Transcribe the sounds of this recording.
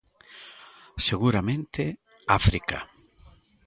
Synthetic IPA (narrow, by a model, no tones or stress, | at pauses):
seɣuɾamẽnt̪ɪafɾika̰